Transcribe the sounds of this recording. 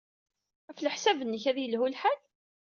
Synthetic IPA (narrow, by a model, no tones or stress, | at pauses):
æfləħsævənːəçæðjəlhulħal